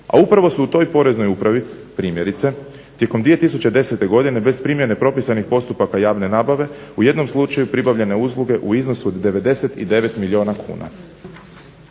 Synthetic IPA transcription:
a̰upɾaʋo̞suut̪o̞jpo̞ɾe̞znojupɾaʋi | pɾiːmje̞ɾit̪se̞ | t̪je̞komd̪ʋie̞t̪isut͡ɕed̪e̞se̞t̪e̞ɡo̞d̪ine̞be̞zpɾimje̞ne̞pɾo̞pisanixpo̞st̪upakajaːʋne̞naːbaʋe̞uje̞d̪no̞mslˠut͡ʃajupɾibaʋʎe̞ne̞uzlˠuɡe̞ʔuizno̞suod̪d̪e̞ʋe̞d̪e̞se̞t̪ḭd̪e̞ʋe̞t̪milio̞ːnakʰṵːna̰

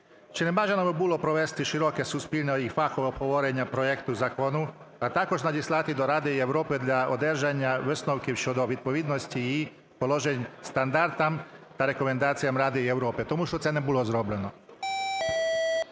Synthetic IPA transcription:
t͡ʃinɛmaʒɛnabibulˠopɾoʋest̪iʃiɾokesuspiʎʲneifakoʋeobhoʋoɾeɲapɾojekt̪uzakonu | at̪akoʃnadislˠat̪id̪oɾaːd̪ɛieʋɾoːpɛd̪ʎʲaod̪ɛɾʒaɲaʋsnowkiwʃod̪oʋit̪̚poʋid̪nosciː | poloʒeɲst̪and̪aɾt̪amt̪aɾekomend̪aːt̪sijamɾaːd̪ɛiewɾoːpɛt̪omuʃt̪ot̪sɛnɛbulozɾoblɛno

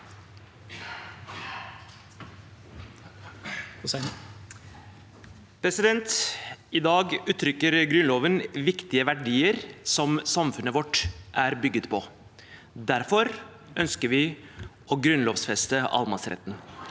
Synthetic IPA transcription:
pʰɾɛsɪd̪ɛnt̪ɪd̪ɑːɡʉːt̪ʰɾʏkːəɾɡɾʉnloːʋənʋɪkt̪ɪəʋæɖiːəɾsɔmsɑmfʉnəʋɔʈːʔæɾbʏɡːət̪pʰɔ | d̪æɾfɔɾ | œnskəɾʋɪ | ɔɡɾʉnloːʋsfɛst̪əʔɑ̰lmɑsɾɛ̰t̪n

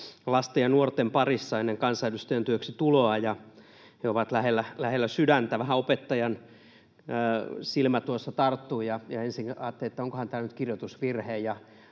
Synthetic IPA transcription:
lɑst̪ejɑnuort̪empɑrisːɑenːeŋkɑnsɑilyst̪øjænt̪yøksit̪uloɑjɑ | heoʋɑt̪læhelːælæhelːæsydænt̪æʋæhæopet̪ːɑjɑnː | silmæt̪uosːɑt̪ɑrt̪ːuːjɑjɑensiŋnɑːt̪ːeliet̪ːæoŋkohɑnt̪æːlnyt̪kirjot̪usʋirheːjjɑ

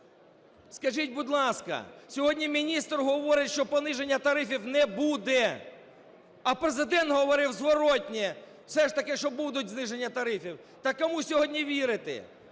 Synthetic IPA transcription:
skɐʒitʲbʊd̪ʲlˠɑskɐ̰sʲɔɦɔdʲnʲimʲinʲist̪rɦɔʋɔɾɪtʲʃt͡ʃɔpɔnɪʒenʲːɐt̪ɐɾɪfʲiwnɛbud̪ɛ | ɐpɾezɪd̪ɛnt̪ɦɔʋɔɾɪwzʋɔɾɔtʲnʲɛ | wsɛʃt̪ɐkɪʃt͡ʃɔbud̪ʊtʲznɪʒenʲːɐt̪ɐɾɪfʲiw | t̪ɐkːɔmusʲɔɦɔdʲnʲiʋʲiɾɪt̪ɪ̰

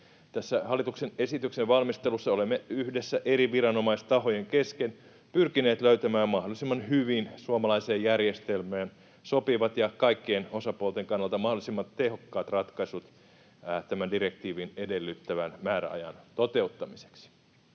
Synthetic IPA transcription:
t̪æsːæhɑlːˑit̪uksene̞sit̪ykseʋʋɑlmist̪elusːɑolemːeyhdesːæʔeɾiʋirɑno̞mɑist̪ɑho̞jeŋkesken | pyrkine̞ːt̪løyt̪æmæːmmɑhdolisimːɑnhyʋinsuomɑlɑiseːjjærjest̪elmæːn | sopiʋɑt̪jɑkɑikːeeno̞sɑpuolt̪eŋkɑnːɑlt̪ɑmɑhdolisimːɑt̪tehokːɑːt̪rɑt̪kɑsut̪ | t̪æmændirekt̪iːʋinedelːyt̪ːæʋænmæːɾæ̰ɑ̰jɑ̰nt̪ot̪e̞ut̪ːɑmise̥ksi̥

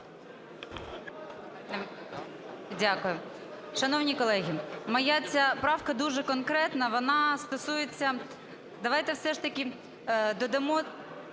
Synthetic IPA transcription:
dʲakʊjʊʃɐnɔwnʲikɔlˠɛɦʲimɐjat͡sʲapɾɑwkɐd̪uʒɛkɔnkɾɛt̪nɐʋɔnɑst̪ɔsujet͡sʲːɐ | d̪ɐʋɑjt̪ɛwsɛʃt̪ɐkʲi | d̪ɔd̪ɐmɔ

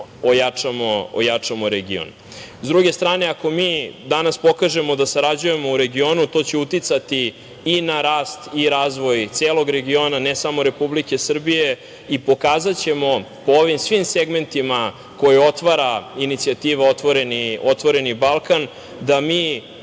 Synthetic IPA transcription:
ojat͡ʂamoo̰jat͡ʂamo̞ɾeɡḭo̰n | zd̪ɾuɡe̞st̪ɾaːne̞ako̞miːd̪anaspo̞kaʒe̞mo̞d̪asaɾad͡ʑuje̞mo̞uɾe̞ɡioːnut̪o̞ːt͡ɕe̞ut̪it̪sat̪iː | naɾaːst̪iɾaːzʋo̞jt̪seːlˠo̞ɡɾe̞ɡio̞nanesamo̞ɾe̞publikesr̩bije̞ | ipo̞kaːzat͡ɕe̞mo̞ | pooʋimsʋimse̞ɡme̞nt̪ima | ko̞jio̞t̪ʋaɾainit̪siat̪iːʋeot̪ʋoɾeniot̪ʋo̞ɾe̞nibalˠkan | d̪amiː

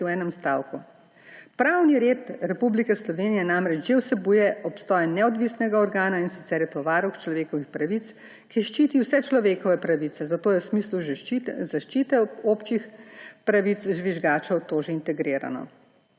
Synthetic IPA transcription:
wɛːnɛmst̪aːwku | pɾawniɾeːt̪ɾɛpublikɛslɔʋeːnijɛnamɾɛt͡ʃʒewsɛbujɛɔpst̪ɔːjɛnɛɔd̪ʋisnɛɡaɔɾɡaːnainsit̪sɛɾjɛt̪ɔʋaːɾɔwxt͡ʃlɔʋeːkɔʋixpɾaʋit̪s | kiʃt͡ʃiːt̪iwsɛt͡ʃlɔʋeːkɔʋɛpɾaʋit̪sɛzat̪oːjɛwsmisluzaʃt͡ʃit̪ɛopt͡ʃixpɾaʋit̪sʒʋiʒɡaːt͡ʃɐwt̪oʒɛint̪ɛɡɾeːɾa̰nɔ̰

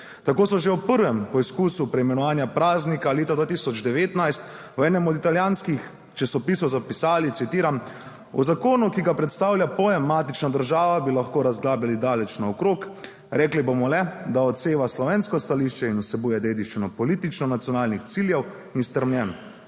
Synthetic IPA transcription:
t̪akoːsɔʒɛwpəɾʋɛmpɔiskusupɾɛjmɛnɔʋaːnjapɾaːznikaleːt̪ad̪ʋaːt̪isɔd͡ʒd̪ɛʋeːt̪najst̪ | uɛːnɛmɔd̪it̪aljaːnskix | t͡ʃɛsɔpisɔwzapisaːlit̪sit̪iːɾam | ṵzakoːnukiɡapɾɛt̪st̪aːwljapɔːjɛmːaːt̪it͡ʃnad̪əɾʒaːʋabilaxkoːɾazɡlaːbjʲalid̪aːlɛt͡ʃnɔɔkɾoːk | ɾɛːklibomɔlɛd̪aɔt̪seːʋaslɔʋeːnskɔst̪aliʃt͡ʃɛinusɛbuːjɛd̪eːd̪iʃt͡ʃinɔpɔliːt̪it͡ʃnɔnat̪sjɔnaːlnixt̪siljɛw | inst̪əɾmnʲjɛn

